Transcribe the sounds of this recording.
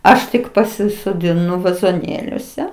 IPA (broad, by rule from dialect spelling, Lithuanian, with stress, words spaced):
ˈɐʃ tʲɪk pɐsʲɪsoːdʲɪˈnʊ ʋɐzoːˈnʲeːlʲuɔsʲɛ